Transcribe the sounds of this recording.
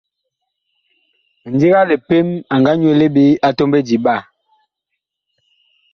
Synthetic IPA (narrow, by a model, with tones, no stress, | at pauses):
n̩˨di˦ɣa˦le˨pe˦ma˨ŋɡa˦ɲwe˦le˦ɓe˦a˦to˦mbe˦di˨ɓa˦˨